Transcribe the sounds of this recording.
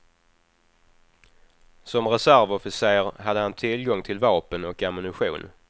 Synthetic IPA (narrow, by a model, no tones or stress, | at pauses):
sɔmɾɛsæɾvɔfɪseːɾɦad̪ːəhant̪ʰɪlɡɔŋt̪ʰɪlvɑːpənɔkɛmɪnɪɧṵːn